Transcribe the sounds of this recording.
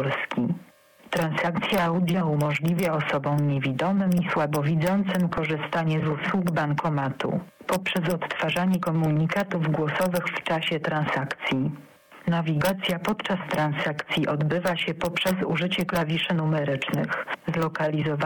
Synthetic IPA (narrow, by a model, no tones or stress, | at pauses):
lskʲi | t̪ɾansakt̪sʲjaawd̪ʲjaumɔʐlʲivʲjaɔsɔbɔ̃w̃ɲevʲid̪ɔmɘmiswabɔvʲid̪zɔnt̪sɘmkɔʐɘst̪aɲɛzuswuɡbaŋkɔmat̪ṵ | pɔpʂɛzɔt̪ːfaʐaɲɛkɔmuɲikat̪uvɡwɔsɔvɘxft͡ʂaɕɛt̪ɾansakt̪sʲji | navʲiɡat̪sʲjapɔt̪t͡ʂast̪ɾansakt̪sʲjiʔɔd̪bɘvaɕɛpɔpʂɛzuʐɘt͡ɕɛklavʲiʂɛnumɛɾɘt͡ʂnɘxzlɔkalʲizɔva